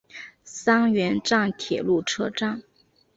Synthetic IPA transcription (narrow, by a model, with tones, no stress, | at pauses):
sɑ˥ŋɥɛ˧˥nʈ͡ʂɑ˥˩ŋt̪ʰjɛ̰˨˩lu˥˩ʈ͡ʂʰɤ˥ʈ͡ʂɑ˥˩ŋ